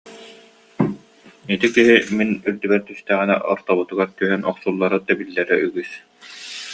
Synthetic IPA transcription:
it̪ikiɦiminyɾd̪ybɛɾt̪yst̪æːʁinɛ̰ʔɔ̰ɾt̪ɔβut̪uɡaɾt̪yɦœnɔχsulˠːaɾɯd̪ɛbilːɛɾɛyɡys

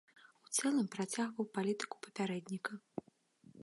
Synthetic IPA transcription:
ut̪sɛlˠɐmpɾat͡sʲaɣvɐwpalʲit̪ɨ̥ku̥pɐ̥pʲaɾɛd̪ʲnʲikɐ

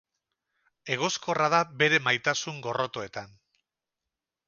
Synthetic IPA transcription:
e̞ɣ̞o̞sko̞raðabe̞ɾe̞majt̪asuŋɡo̞ro̞t̪o̞e̞t̪an

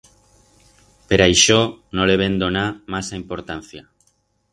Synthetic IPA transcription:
peɾaiʃonõleβend̪onamasaimpoɾt̪an̟θja

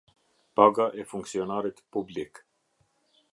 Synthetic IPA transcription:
paɡaʔɛfuŋksiɔnaɾit̪publik

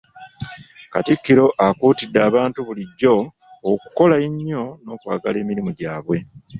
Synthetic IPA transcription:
katikːiɾo̞ʔakuːtidːaːβaːntuβuliɟːo̞ː | ku̥ko̞laiɲːo̞no̞ːkwa̰ːɡa̰le̞ːmiɾimuɟaːβwe̞

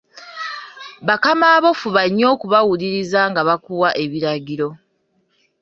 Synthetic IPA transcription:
βakamaːβo̞fuβaɲːo̞ːkuβawuliɾizaŋɡaβakuwaʔe̞βiɾaɟiɾo̞

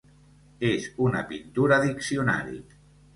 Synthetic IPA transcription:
ezuna̰pint̪uɾaðiksiuna̰ɾḭ

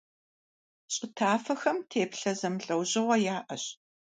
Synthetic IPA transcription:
ɕʼɪtʰaːfɐxɐmtʰeːpɬɐzɐmɬʼɐwʑɪʁʷɐjaːʔɐɕ

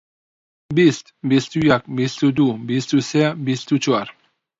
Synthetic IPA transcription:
bist̪bist̪ujak̚bist̪ud̪ubist̪useabist̪ut͡ʃuaɾ

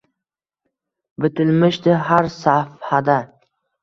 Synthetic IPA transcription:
bɪt̪ʰɪlmɪʃd̪ɪɦaɾsafhad̪a

